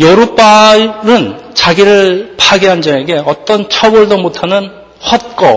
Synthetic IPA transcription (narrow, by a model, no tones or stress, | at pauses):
jʌɾup͈aɾɯn | t͡ɕaɡiɾɯɭpʰaɡiɦand͡ʑʌeɡe̞ʌt͈ʌnt͡ɕʰʌbʌɭdomotʰanɯn | ɸʌt̚k͈ʌ